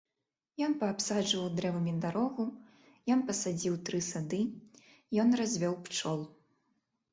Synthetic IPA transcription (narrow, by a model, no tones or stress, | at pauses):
jɔnpɐːpsad͡ʐvɐwd̪ɾɛvɐmʲid̪aɾɔɣu | jɔnpɐsad͡zʲiwt̪ɾɨsad̪ɨ | jɔnrazʲvʲɔwpt͡ʂɔlˠ